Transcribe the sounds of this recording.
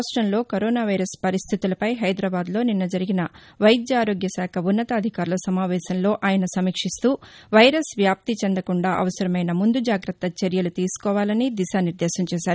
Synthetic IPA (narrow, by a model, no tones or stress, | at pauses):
ʂʈɾɐmlo̞ːkoɾoːnaːʋɐjɾɐspɐɾist̪ʰit̪ulɐpɐjɦɐjd̪ɾɐːbaːd̪lo̞ːninːɐd͡ʒɐɾiɡinɐ | ʋɐjd̪jaːɾoːɡjɐsaːkʰɐunːɐt̪ɐːd̪ʱikaːɾulɐsɐmaːʋɛːʃɐnlo̞ːʔaːjɐnɐsɐmiːkʂist̪uːʋɐjɾɐsʋjaːp̚t̪it͡ʃend̪ɐkuɳɖaːʔɐ̰ʋɐsɐɾɐmɐjnɐmund̪ud͡ʒaːɡɾɐt̪ːɐt͡ʃeɾjɐlut̪iːsu̥kɔːʋaːlɐnid̪iʃaːniɾd̪ɛːʃɐmt͡ʃɛːʃaːɾu